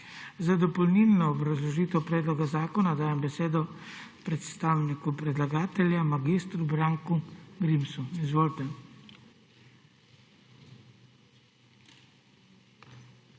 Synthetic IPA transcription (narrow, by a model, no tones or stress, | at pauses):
zad̪ɔpɔlnilnɔːbɾazlɔʒiːt̪ɛwpɾɛːd̪lɔɡazaːkɔnad̪aːjɛmbɛseːd̪ɔpɾɛt̪st̪aːwnikupɾɛd̪laɡaːt̪ɛljamaɡist̪ɾubɾaːŋkuɡɾimsuizʋoːlt̪ɛ